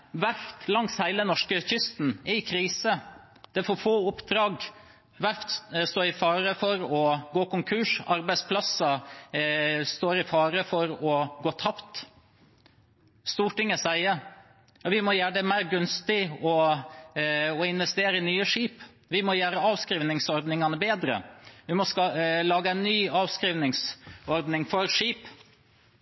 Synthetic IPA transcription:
ʋæɾt̪lɑŋshæɪlənɔʂkəçʏst̪nɛɪkʰɾiːsə | d̪̥ɛfɔːfoːʊpd̪ɾɑːɡ | ʋæɾt̪st̪oːɪfɑːɾəfɔɾɔɡoːkʊŋkʰʉːʂɑɾbæɪspʰlɑsɑ | st̪oːɾɪfɑːɾəfɔɾɔɡoːt̪ʰɑpt̪ | st̪uːʈɪŋːəsæɪə | jɑʋɪmɔjæːɖɛmæɪɾɡʉnst̪ɪɔ | ɔɪnʋɛst̪eːɾəɪnyːəʂiːp | ʋɪmɔjæːɾəɑːʋskɾiːʋnɪŋsɔɾd̪nɪŋɑnəbeːd̪ɾə̰ʋɪmɔslɑːɡəæɪnːyːɑːʋskɾiːʋnɪŋsɔɾd̪nɪŋfɔɾʂiːp

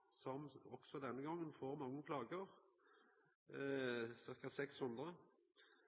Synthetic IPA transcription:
sɔmɔksɔd̪ɛnːəɡɑŋːənfoːʁmɑŋːəkʰlɑːɡəʁ | sɪʁkət̪sɛkshʉnd̪ʁə

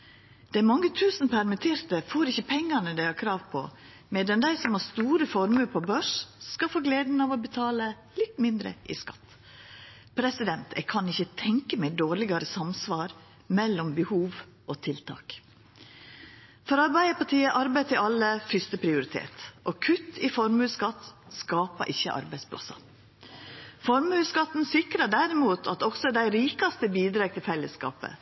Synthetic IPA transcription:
d̪̥ɛæɾmɑŋːət̪ʰʉːsnpʰæɾmɪt̪ʰeːɾt̪əfoːɾɪçəpʰɛŋːɑnəd̪æɪhɑkʰɾɑːʋpʰɔ̰ | meːd̪ɛnd̪æɪsɔmhɑst̪uːɾəfɔɾmʉɾpʰɔbøːʂskɑfoːɡleːd̪n̩ɑʋɔbət̪ʰɑːlə | lɪt̪mɪnd̪ɾə̰ʔɪ̰skɑ̰t̪ː | pʰɾɛsɪd̪ɛnt̪ʰɛ̰ɡkʰɑnɪçːət̪ʰɛŋkəmæɪd̪oːɭɪɡɑɾəsɑmsʋɑːɾ | mɛlːɔmbəhuːʋ | ʔot̪ʰɪlt̪ʰɑ̰ːk | fɔɾɑɾbæɪəpʰɑʈʰiːəʔɑɾbæɪt̪ʰɪɑlːəfʏst̪əpʰɾɪʊɾɪt̪ʰḛːt̪ʔɔkʰʉt̪ʰːɪfɔɾmʉːskɑt̪ | skɑːpə̰ɾʔɪçːəʔɑ̰ɾbæɪspʰlɑ̰sɑ̰ | fɔɾmhʉːskɑt̪ːn̩sɪkɾɑɖæɾɪmuːt̪ʰɑt̪ɔksɔd̪æɪɾiːkɑst̪əbiːd̪ɾɑːɡt̪ɪlfɛləskɑ̰ːpə̰

